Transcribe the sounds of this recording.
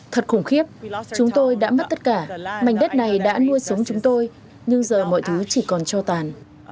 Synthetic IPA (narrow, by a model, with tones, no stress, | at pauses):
t̪ʰə˨˩t̚xʊ˨˩ŋ͡mxi˦˥əp̚t͡ɕʊ˨˦ŋ͡mt̪o˧jɗa̰ː˧˥mə˦˥t̚t̪ə˦˥t̚kaː˧˩ma˨˩jŋ̟ɗə˦˥t̚na˨˩jɗa̰ː˧˥nu˧əjsə˨˦wŋ͡mt͡ɕʊ˨˦ŋ͡mt̪o˧j | ɲɨ˧ŋzəː˨˩mɔ̰˧˨jt̪ʰɨː˨˦t͡ɕi˧˩kɔ˨˩nt͡ɕɔ˧t̪aː˨˩n